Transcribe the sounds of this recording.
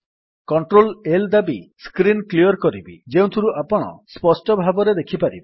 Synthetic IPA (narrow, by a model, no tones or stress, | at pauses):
kɔɳʈɾoleld̪abiskɾinkliɔɾkɔɾibid͡ʒeũt̪ʰiɾuʔapɔɽ̃ɔ̰spɔsʈɔbʱabɔɾed̪ekʰipaɾibi